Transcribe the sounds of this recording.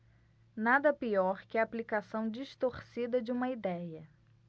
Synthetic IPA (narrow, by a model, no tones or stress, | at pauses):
nad̪ɐpiɔɾkɪɐːplikasɐ̃w̃d͡ʒiʃt̪oɾsid̪ɐd͡ʒɪũmɐid̪ɛjɐ